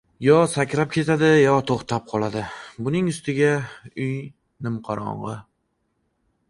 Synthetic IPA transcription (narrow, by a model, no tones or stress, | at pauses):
jɒsakʲɾap̚kʲʰe̞t̪ʰad̪ɪjɒt̪ʰoχt̪ʰap̚qʰɒlˠad̪ɪbʊnɪŋʊst̪ɪɡʲaʊj | nɪmqʰɑɾɒ̰ɴʁɨ